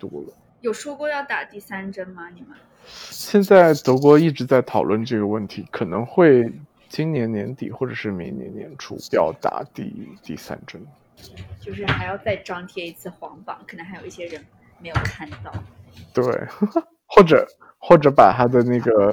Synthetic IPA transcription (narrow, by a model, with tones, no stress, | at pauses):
t̪ɔ˧˥lə˧ | jo˨˩ʊʂwɔ˥kwɔ˥˧jɑ˥˩ʊt̪a˨˩t̪i˥˩sa˥nʈ͡ʂə˥nmɐ˨ni˨˩mə˦ | ɕjɛ˥˧nt͡sa˥˩ɪt̪ɤ˧˥k̬wɔ˧˥i˥˩ʈ͡ʂɻ̩˧˥t͡sa˥˩ɪt̪ʰɑ˨˩ʊlwə˥˧nʈ͡ʂɤ˥˩ɡə˩wə˥˩nt̪ʰi˧˥kʰɤ˨˩nɤ˧˥ŋxwe˥˩ɪ | t͡ɕi˥ŋnjɛ˧˥nnjɛ̰˧˥nt̪ḭ˨˩xwɔ˥˩ʈ͡ʂɤ˨˩ʂɻ̩˥˩mi˧˥ŋnjɛ̰˧˥njɛ̰˧˥nʈ͡ʂʰṵ˥˧jɑ̰˥˧ʊt̪a̰˨˩t̪ḭ˥˧t̪ḭ˥˩sa̰˥nʈ͡ʂə˥n | t͡ɕjo˥˧ʊʂ̬ɻ̩˥˩xa˧˥ɪjɑ˥˧ʊt͡sa˥˧ɪʈ͡ʂɑ˥ŋt̪ʰjɛ˥i˧˥t͡sʰɹ̩˥˩xwɑ̰˧˥ŋpɑ̰˨˩˦ŋkʰn˧˥xa˧˥ɪjo˨˩ʊi˥˩ɕjɛ˥ɻə˧˥n | me˧˥ɪjo˨˩ʊkʰa˥˧nt̪ɑ˥˩ʊt̪we˥˩ɪ | xwɔ˥˩ʈ͡ʂɤ˨˩˦ | xwɔ˥˩ʈ͡ʂɤ˧˥pa˨˩t̪ʰa˥d̪ə˨na˥˩ɡə˩